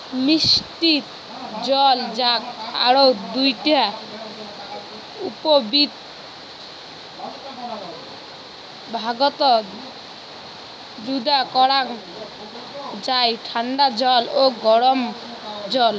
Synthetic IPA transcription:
misʈit̪ | d͡ʒɔld͡ʒaka̰ɾɔwd̪ujʈa | upɔbit̪ | bʱaɡɔt̪ɔ | d͡ʒud̪akɔɽaŋ | d͡ʒajʈʰaɳɖad͡ʒɔloɡɔɽɔmd͡ʒɔl

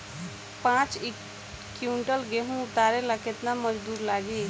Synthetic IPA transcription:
pãt͡ʃ | kjuɳʈəlɡeɦũʊt̪aɾeləket̪naməd͡ʒd̪uːɾlaːɡi

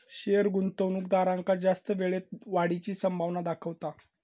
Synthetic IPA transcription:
ɕeəɾɡunt̪əwnuːk̚d̪aɾãŋkad͡zast̪əʋeɭet̪ʋaɽit͡ɕiːsəmbʱaʋnad̪akʰəʋt̪a

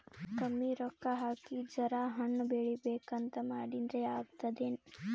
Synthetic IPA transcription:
kɐmːiɾɔkːaɦaːkid͡ʒɐɾaːɦɐɳːubeːɭibeːkɐnt̪ɐmaːɽind̪ɾeaːɡt̪ɐd̪eːn

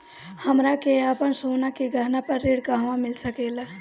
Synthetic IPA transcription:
həmɾakeapənsoːnakeɡʱəɾnapəɾːeːɽkaɦʋãmɪlsəkeːla

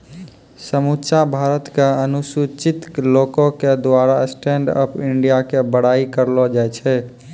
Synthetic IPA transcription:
səmut͡ʃabʱaɾət̪keənusut͡ʃit̪lokõked̪waɾasʈeɳɖə̰pʰɪɳɖijakebəɽ̤aikəɾlɔd͡ʒajt͡ʃʰɛ

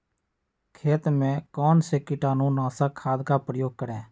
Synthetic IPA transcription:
kʰeːt̪mɛ̃kɔːnseːkɪʈaːnũːnãːsaːkʰːaːd̪kaːpɾəjoːɡ̚kəɽɛː

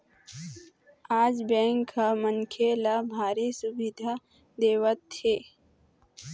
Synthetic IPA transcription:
aːd͡ʒbɛ̃ːŋkʰːaməŋkʰelabʱaːɾisʊbɪd̪ʱa | d̪eːʋət̪heː

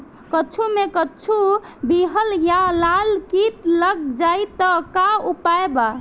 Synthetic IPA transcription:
kət͡ʃʰumekət͡ʃʰubiɦəljalalkit̪ləɡd͡ʒajt̪əkaupaeba

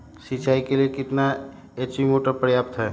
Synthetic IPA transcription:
sit͡ʃaːikeliekɪt̪na | et͡ʃimoʈapɾəjaːpt̪ɦɛː

